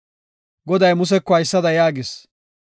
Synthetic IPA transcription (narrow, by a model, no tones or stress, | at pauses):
ɡɔd̪ɐjmʊs̬ɛkːɔɐjsːɐd̪ɐjaːɡɪs